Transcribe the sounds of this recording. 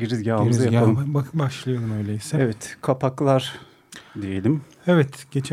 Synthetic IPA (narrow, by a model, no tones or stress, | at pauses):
ɟiɾizɡʲɟalmizjaalˠɯbaʃlˠɯjo̞ɾumø̞jlʲeisɛɛvɛt̪kʰapaklˠaɾ̥ | d̪ije̞lʲim | evɛt̪ɟ̥e̞t͡ʃʰ